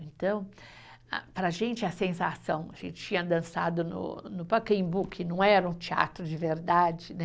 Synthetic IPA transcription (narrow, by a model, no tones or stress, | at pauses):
ẽnt̪ɐ̃w̃ | a̰pɾɐʒẽnt͡ʃɪɐsẽsasɐ̃w̃ɐʒḛ̃nt͡ʃɪ̥t͡ʃĩɲɐd̪ɐ̃sad̪ʊnʊ̰nʊpakẽj̃bukʰɪnɐ̃w̃ɛɾɐũt͡ʃia̰t̪ɾʊd͡ʒɪveɾd̪ad͡ʒɪnɛ